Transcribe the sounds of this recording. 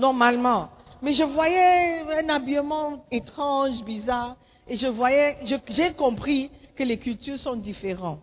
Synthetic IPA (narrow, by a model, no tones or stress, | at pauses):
nɔʁmalmɑ̃ | mɛʒəvwajɛɛ̃nabiəmɑ̃et̪χɑ̃ʒbizaːʁ | eʒəvwajɛʒəʒɛkɔ̃pχikəlekylt̪yʁsɔ̃d̪ifeʁɑ̃